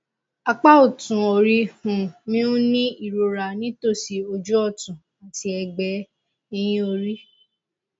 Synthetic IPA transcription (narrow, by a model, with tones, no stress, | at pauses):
a˧k͡pa˦o˨tũ˨o˨ɾi˧hũ˨mĩ˦ũ˦nĩ˦i˦˨ɾo˨ɾa˨nĩ˨˦to˦˨si˨o˧d͡ʒu˦ɔ˦˨tũ˨ | a˨ti˧˦ɛ˧ɡ͡bɛ˧ | i˧j̃ĩ˦o˧ɾi˦